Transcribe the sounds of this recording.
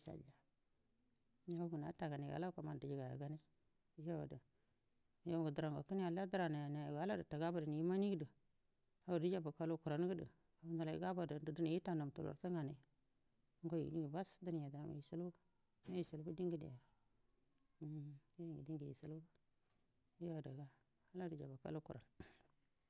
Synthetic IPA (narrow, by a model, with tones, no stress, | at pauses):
sa̰˨ld͡ʒa˨˦ | a˦ɡu˨na̰˨˦ta˨ɡa˨ni˨a̰˨la˦ka˨ma˦˨n˨di˨d͡ʒi˦ɡa˨ja̰˨ɡa˦ni˦ | ja˦wa̰˨də˨˦ | jo˦˨ɡu˨də˨ɾa˨ŋɡo˨kə˦n˦a˨la˦də˦ɾa˨na˨ja˨na˨ɡa˨˦la˦də˨ta˨ɡa˦ba˨də˨ni˨ji˦ma˦ni˦ɡdə˨ | a˨wu˨də˦d͡ʒa˦ba˨ka˦lo˦ku˨ɾa˨n˦ɡə˦də̰˨ | a˨u˦nda˨la˨ḭ˨ɡa˦ba˨də˨˦də˨də˦ni˨ji˦ta˨na˨m˨tu˨lo̰˨ɾta˦ŋɡa˨na˨˦ | ɡo˦jḭ˨di˦ŋɡi˨ba˦sdə˦n˨ja˨da˨a˨ma̰˨i˨su˦lb | ma˦ji˨si˨lbu˦di˦ŋɡi˦dḭ˨ja˨ | ja˦˨ŋɡi˨di˦ŋɡi˨jḭ˨sə˨lba˦ | ja˦˨da˨ɡa˦ | a˦la˦də˨d͡ʒa˨ba˨ka̰˦lu˦ku˨ɾa̰˨n